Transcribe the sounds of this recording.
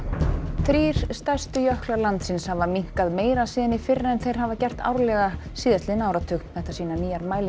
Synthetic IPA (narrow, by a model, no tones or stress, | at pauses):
θɾiːɾ̥st̪ar̥st̪ʏjœhklaɾlant̪sɪnshavaɾmiŋ̥kaðmeːjɾasiːðanɪfɪɾːaɛnθejɾ̥ɦavacɛr̥t̪a̰wɾlɛɣasiːðat̪lɪnaːwɾat̪ʰʏːkn̥θɛht̪asiːnaniːjaɾmaːjl